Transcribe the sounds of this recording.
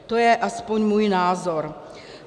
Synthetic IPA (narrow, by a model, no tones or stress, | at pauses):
t̪ojɛʔaspoɲmuːjnaːzoɾ